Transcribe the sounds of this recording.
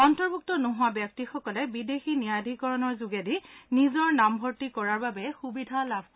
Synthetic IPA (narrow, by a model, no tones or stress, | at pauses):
ɔntɔɹbʱuk̚tɔnʊɦʊwabjɔk̚tixɔkɔlɛbidexinijadʱikɔɹɔnɔɹzʊɡedinizɔɹnambʱɔɹtikɔɹaɹbabɛxubidʱalab̚ʱ